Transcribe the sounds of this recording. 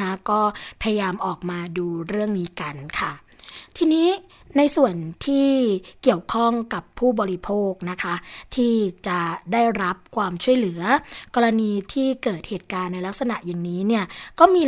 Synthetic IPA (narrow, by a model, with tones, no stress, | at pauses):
a˦˥kɔː˥˩pʰa˧ja˧jaː˧mʔɔː˨˩k̚maː˧duː˧ɾɯ˥˩əŋniː˦˥ka˧nkʰa˥˩ | t̪ʰiː˧niː˦˥ | na˧jsu˨˩ənt̪ʰiː˥˩ki˨˩əwkʰɔ˥˩ŋka˨˩pʰːuː˥˩bɔː˧ɾi˦˥pʰoː˥˩k̚na˦˥kʰa˦˥t̪ʰiː˥˩t͡ɕa˨˩daː˥˩jɾa˦˥p̚kʰwaː˧mt͡ɕʰu˥˩əjlɯ˩˦ɐkɔː˧ɾa˧niː˧t̪ʰiː˥˩kɤː˨˩t̪̚heː˨˩t̪̚kaː˧nːa˧jla˦˥k̚sa˧na˨˩ʔja˨˩ŋniː˦˥ni˥˩ɐkɔː˥˩miː˧